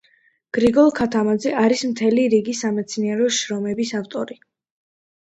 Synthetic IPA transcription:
ɡ̥ɾiɡɔlˠkʰat̪ʰamad̪zɛʔaɾismt̪ʰɛliɾiɡisamɛt̪sʰniɛɾɔʃɾɔmɛbisaft̪ʼɔɾi

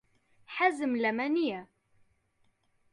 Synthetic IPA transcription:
ħazəmlæmænijæ

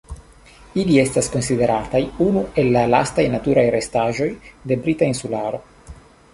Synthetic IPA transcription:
ilie̞stasko̞nside̞ɾatajunue̞lːala̰stajnatuɾajɾe̞staʒo̞jde̞bɾitainsulaɾo̞

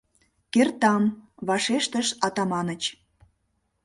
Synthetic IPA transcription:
kert̪ɑmβɑʃeʃt̪əʃɑt̪ɑmɑnət͡ɕ

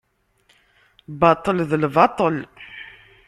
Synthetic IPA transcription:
bɑt̪ˤːəlðəlvɑt̪ˤəl

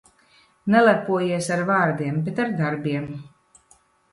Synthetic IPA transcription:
nɛlˠapuɔjiɛsaɾvaːɾd̪iɛmbɛt̪aɾd̪aɾbiɛm

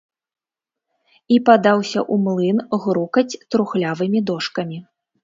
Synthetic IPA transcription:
ipad̪awsʲɐʔumlˠɨnɣɾukɐt͡sʲt̪ɾuxlʲavɨmʲid̪ɔʂkɐmʲi

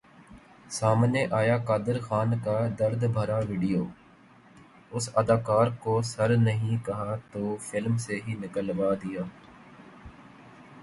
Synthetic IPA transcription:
saːmneːʔaːjaːkaːd̪əɾxaːnkaːd̪əɾd̪bʱəɾaːʋiːɖijoː | ʊsəd̪aːkaːɾkoːsəɾnəɦĩkɐɦaːt̪oːfʰɪlmseɦinɪkəlʋaːd̪ɪjaː

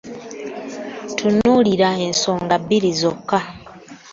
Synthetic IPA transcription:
tʰunuːliɾae̞nsoːŋɡabːiɾizokːa

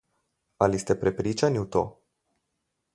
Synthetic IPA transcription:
alist̪epɾepɾit͡ʃanʲut̪o̰

